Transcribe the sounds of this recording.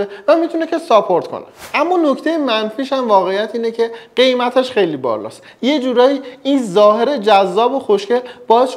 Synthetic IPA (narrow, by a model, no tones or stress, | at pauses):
evæmit̪ʰune̞cʰe̞sɒpʰo̞ɾt̪kʰo̰neʔæmːɒːno̞ct̪ʰe̞jemænfiːʃæmvɒːɣe̞jæt̪ʰiːne̞cʰe̞ɢ̥e̞jmæt̪ʰeʃxejliːbɒ̰ɾlɒ̰ːs | je̞d͡ʒuːɾɒːjiinzɒːɦe̞ɾe̞d͡ʒæzːɒːboxoʃcʰelb̥ɒːjesʃ